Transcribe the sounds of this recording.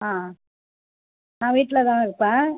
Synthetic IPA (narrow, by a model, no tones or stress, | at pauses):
aː | nãːʋiːʈːɪlɐt̪ãːɪɾɯpːɛ̃ː